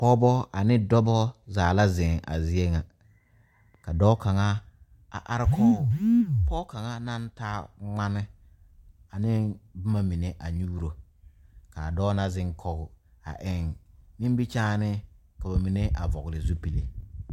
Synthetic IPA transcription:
pɔ˦bɔ˦a˨nɪ˦dɔ˦bɔ˦zaː˨la˦zɪ˨ŋa̰˨zɪ˦e˦ŋa˨ | ka˨dɔː˦ka˨ŋa˦ | a̰˨ʔa˦ɾɪ˦kʰɔː˦˨pɔː˦ka˨ŋa˦na˦ntaː˦ŋ͡ma˦nɪ˦ | a˨nɪ˦bʊ˦ma˦mi˨ne˦ʔa˨ɲuː˦ɾo˨ | ka˨dɔː˦na˦zɪ˦ŋkʰɔ˦ɣʊ˨ | a̰˨ʔɪ˨ŋnĩ˦m˦bi˦t͡ʃaː˦nɪ˦ | ka˨ba˨mi˨ne˦ʔa˨vɔ˨ɣlɪ˨zu˦pi˨le˨

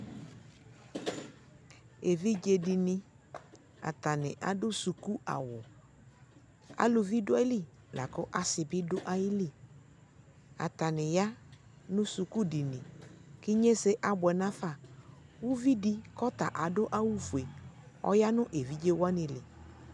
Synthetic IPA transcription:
e˨vi˦d͡ʒe˦di˨nɪ̃˦ | a̰˨t̪a˨nɪ̃˨ʔa̰˨dʊ˦su˨ku˦a̰˨wʊ˨ | a̰˨lʊ˨vi˦dʊ˦a˦i˦li˦˨ | la̰˨kʊ˦ʔa˨sɪ˨bɪ˦dʊ˦ʔa˦jɪ˦li˦˨ | a̰˨t̪a˨nɪ̃˨ja˦ | nʊ̃˦su˨ku˦di˨nɪ̃˨kɪ˦ɲe˦sɪ˦ʔa˨bʊ˨ɛ˨nã˦fa˦˨wʊ˦vi˦di˦kɔ˦t̪a˨ʔa˨dʊ˦ʔa˦wu˦fu˨e˨ɔ̰˦ja˦nʊ̃˦ʔe˨vi˦d͡ʒe˦wa˦nɪ̃˨lɪ˨

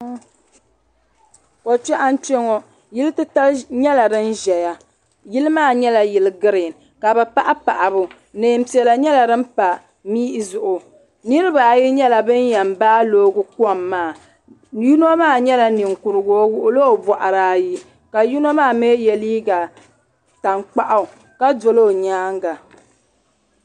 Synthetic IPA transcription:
ko˨t͡ʃɛ˦ʔa˦n˦t͡ʃɛ˦ŋɔ˦ | ji˦lɨ˦tɨ˦ta˦lɲɛ˦la˨dɨ˦nʒɛ˨ja˦ | jɪ˦lɨ˦maː˦˨ɲɛ˦la˨jɪ˨lɨ˦ɡɨ˦ɾɪ˨n | ka˨bɛ˨pa˦ʔa˦pa˨ʔa˨bʊ˦ | neː˨˦˨m̩˦pi˨ɛ˨la˨ɲɛ˦la˨dɨ˦m̩˦pa˨ | miː˦ʔzʊ˨ʔʊ˨ | nɨ˦ɾɨ˦ba˨ji˦ɲɛ˦la˨bɨ˦njɛ˨mbaː˦loː˨˦ɡʊ˦ku˦ɔ˨mːaː˦˨ | ju˦no˦maː˦˨ɲɛ˦la˨nɪ˨ŋ˨kʊ˨ɾɨ˨ɡo˦wʊ˦ʔʊ˦lo˦˨bɔ˨ʔa˨ɾaː˦ji˦ | ka˨ju˦no˦maː˦˨meː˦jɛ˨liː˦ɡa˨ | ta˨ŋk͡pa˦ʔa˦ʊ˨ | ka˦do˨lo˦˨ɲaː˦ŋɡa˨

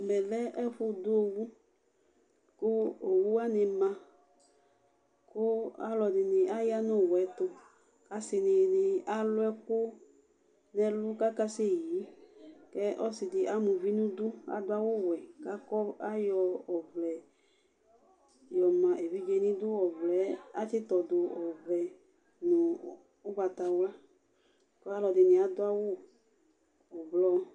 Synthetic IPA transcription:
mɛ˨lɛ˦ʔɛ˦ɸʊ˦dʊ˦o˨wu˦ | kʊ˦o˨wu˦a˦nɪ˨mã˨ | kʊ˦a˦lɔ˨dɪ˨nɪ˨a˦ja˦nʊ̃˦˨wɛ˨˦t̪ʊ˨ | ka˦sɪ˨nɪ˨nɪ˨a˦lʊ˦ɛ˦kʊ˦ | nɛ̃˦lʊ˦ka˦ka˦se˦˨ji˨˦kɛ˦ʔɔ˦sɪ˨dɪ˨ʔa˦mũ˨vi˦nũ˦dʊ˦a̰˨d̪ʊ˦a˦wʊ˦wɛ˨ka˦kɔ˦a˦jɔ˧ɔ˨vlɛ˨ | jɔ˨mã˨ʔe˨vi˦d͡ʒe˧nĩ˦d̪ʊ˦ɔ˨vlɛ˨˦a˦tɪ˦t̪ɔ˨dʊ˨ɔ˨vlɛ˨ | nʊ̃˨ | ʊ˦ɡ͡ba˨t̪a˨wla˦ | kɔ˦a˦lɔ˧dɪ˨nɪ̃˨a˨d̪ʊ˦a˦wʊ˦ | ɔ˨blɔ˧

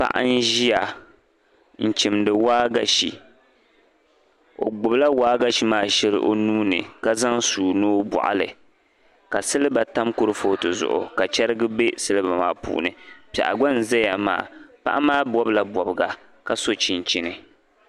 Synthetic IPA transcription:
pa̰˦ʔa̰˦n̩˦ʒi˦ja˨ | n̩˨t͡ʃi˨mdɨ˨waː˦ɡa˦ʃi˨ | o̰˨ɡ͡bʊ˨bla˦waː˦ɡa˦ʃi˨maː˦ʃɛ˦lɨ̰˦ʔo˦nuː˦nɨ̰˨ka˦za˦ŋsuː˨noː˦bɔ̰˨ʔa̰˨lɨ̰˨ | ka˨sɨ˦lɨ˦ba˨ta˦mkʊ˦ɾɨ˦foː˦tɨ˨zʊ̰˨ʔʊ̰˨ka˨t͡ʃɛ˦ɾɨ˦ɡɨ˦be˦sɨ˦lɨ˦ba˨maː˦pṵː˦˨nɨ˨pɛ̰˨ʔa̰˨ɡɔ˦n˨zɛ˦ja˨ma̰ː˨pa̰˦ʔa˦maː˦bɔ˦bla˨bɔ˨bɨ˨ɡa˨ | ka˦so˦t͡ʃi˨n˨t͡ʃi˦nɨ˨

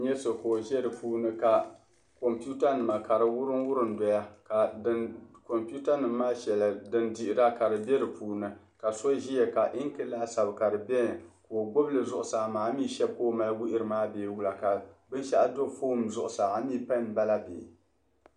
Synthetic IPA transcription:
ɲɛ˦so˨ko˨ʒɛ˦ɾɨ˨puː˦nɨ˦ka˨ | ko˨mpi˦u˦ta˦nɨ˨ma˨ka˨ɾɨ˨wʊ˦ɾɨ˦nwʊ˦ɾɨ˨n˦dɔ˨ja˦ka˨ɨ˦ko˨mpu˦ta˦nɨ˨mː˦aː˦ʃɛ˨la˨dɨ˦ndi˨ʔɪ˨ɾa˦ka˨ɾɨ˨bɛ˦ɾɨ˨puː˨˦nɨ˨ | ka˨so˦ʒi˦jɛ˨ka˨ʔi˦ŋkɨ˦laː˦sa˨bɨ˨ka˨ɾɨ˨bɛ˦n˨ko˨ɡʊ˦blɨ˨zʊ˦ʔʊ˨saː˨maː˨˦miː˦ʃɛ˦b̚koː˦ma˦˨lwu˦ʔɪ˦ɾɨ˨maː˦beː˨wu˦la˨ka˨bɨ˦nʃa˦ʔa˦do˦fo˦mzʊ˦ʔʊ˨saː˨a˨miː˦pa˦n˨ba˦la˦bḛ˨

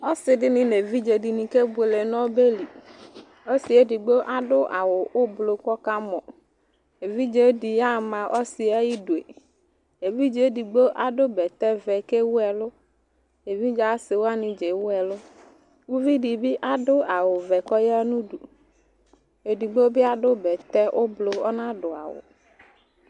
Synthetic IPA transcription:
ɔ˦sɪ˨dɪ˦nɪ̃˦ne˨vi˦d͡ʒe˨di˨nĩ˨ke˦bʊ˦˨e˨le˨nɔ̃˦be˦li˨ | o˦sɪ˨˦e˦di˨ɡ͡bo˦ʔa˨dʊ˦ʔa˨wʊ˨ʊ˦blo˨kɔ˦ka˦mɔ̃˨ | e˨vi˦d͡ʒe˨˦di˨ja˦˨mã˨ʔɔ˦sɪ˨a˦ji˦do˨ḛ˨ | e˨vi˦d͡ʒe˨˦di˨ɡ͡bo˦ʔa˨dʊ˦bɛ˨t̪ɛ˦vɛ˨ke˦wʊ˦ɛ˨lʊ˦ | e˨vi˦d͡ʒa˦sɪ˨wo˦a˦nĩ˨d͡ʒe˨wu˦ɛ˨lʊ˦ | wu˦vi˦ɖi˨bi˦ʔa˨ɖʊ˦a˨wʊ˨vɛ˨kɔ˦ja˦nũ˦ɖu˨ | e˨di˨ɡ͡bo˦bi˦a˨ɖʊ˦bɛ˨t̪ɛ˦ʔo˦blo˨ɔ̰˦nã˦ɖʊ˨a̰˨wʊ̰˨

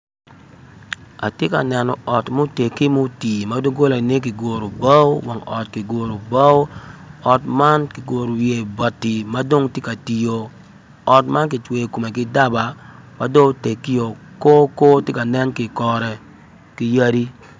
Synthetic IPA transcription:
a̰˨tje˦ka̰˨nɛ˨nɔ˨ʔɔ˨tmo˦te˨ki˦mo˦ti˨ma˦do˦ɡo˦la˨ne˦k̬ɪ˨ɡo˨ɾo˨ba˦wwa˨ŋɔ̰˨tkɪ˨ɡo˨ɾo˨ba˦wɔ˨tma˦nkɪ˨ɡʷo˨ɾo˨wje˨ba˨tːi˨ma˦do˦ŋtje˦ka˨ti˨jo˨ | ɔ˨tma˦nkɪ˨t͡ʃwe˨ko˨me˨kɪ˦da˦ba˨ | ma˦do˦te˨ki˦jo˨ | ko˦ko˦tje˦ka˨nɛ˦nkɪ˨kɔ˨ɾɛ˨ | ki˦ja˦ɾi˦

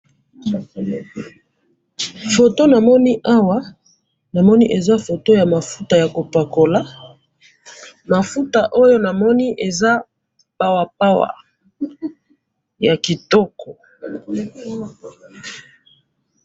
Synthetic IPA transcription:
fo˨to˦na˨mɔ˦ni˦ʔa˦wa˦ | na˨mɔ˦ni˦ʔe˨za˦fo˨to˦ja˨ma˨fu˦ta˨ja˨ko˨pa˨ko˨la˦ | ma˨fu˦ta˨ʔo˦jo˦na˨mɔ˦ni˦ʔe˨za˦ | pa˨wa˨p̚a˦wa̰˨ | ja˨ki˨tɔ˦kʰɔ˨

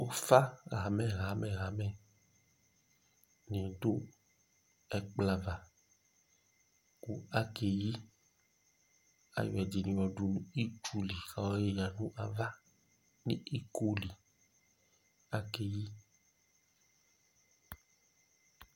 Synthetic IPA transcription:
o˦fa˦ɣa˨mɛ̃˨ɣa˨˦mɛ̃˨ɣa˨˦mɛ˨ | nĩ˨do˦ | ɛ˨k͡pla˦va˨ | ku˦a˦ke˨ji˦ | a̰˨jɔ˨ɛ˨d͡ʒi˨nĩ˨wɔ˨ɖu˨nũ˦i˦t͡ʃu˦li˨ka˨wɔ˦je˦ja˨nũ˦ʔa˨va˦ | nḭ̃˦i˦ko˦li˨ | a˦ke˨ji˦

